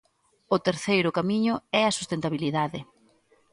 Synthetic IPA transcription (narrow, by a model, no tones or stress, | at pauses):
ʊt̪eɾθejɾʊkamiɲʊɛɐsu̥st̪ent̪aβiliðaðɪ